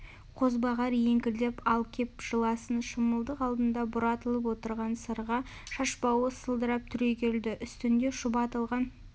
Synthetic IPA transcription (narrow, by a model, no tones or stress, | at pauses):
qʰo̞zbɑʁɑɾje̞ŋkʲɪɾd̪epɑlˠkʲʰe̞pʒ̥əlˠɑsənʃəməlˠd̪əqɑlˠd̪ənd̪ɑbʊɾɑt̪əlˠəp̬wo̞t̪əɾʁɑnsəɾʁɑ | ʃɑʃpɑwəsəlˠd̪əɾɑp̚t̪ʰʏɾe̞kʲe̞ld̪ɪʔʏst̪ɪnd̪e̞ʃʊbɑt̪əlˠʁɑn